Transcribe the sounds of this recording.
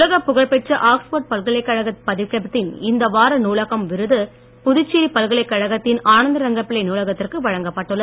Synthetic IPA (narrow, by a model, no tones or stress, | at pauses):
ɐɣɐpːʊɣɐɭpɛʈt͡ʃɐʔaːkspoːʈ̚pɐlɣɐɭɐɪkːɐɻɐɣɐpɐðɪʋkːɐbɐt̪ːɪnɪnd̪ɐʋaːɾɐnuːɭɐɣɐmʋɪɾɯðɯ | pʊðʊɪt͡ʃːiːɾipɐlɣɐɭɐɪkːɐɻɐɣɐt̪ːɪnaːnɐnd̪ɐɾɐŋɡɐpːɪlɐɪnuːlɐɣɐt̪ːɪrkɯʋɐɻɐŋɡɐpːɐʈːɯɭːɐ